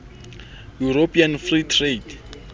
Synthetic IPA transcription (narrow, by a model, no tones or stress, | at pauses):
juɾopʰianfritʰred